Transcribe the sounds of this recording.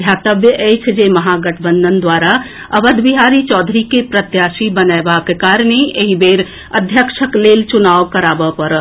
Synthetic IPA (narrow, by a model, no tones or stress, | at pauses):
jat̪əbjəʔet͡ʃʰd͡ʒeməɦaɡəʈʰbə̃nd̪ʱənd̪waɾa | əbəd̪ʱbiɦaɾit͡ʃɔːd̪ʱɾikepɾət̪jaːsibənaebakekaɾñeʔeɦibeɾ | əd̪ʱjəkʃəklelt͡ʃunaʋkəɾabəpəɾ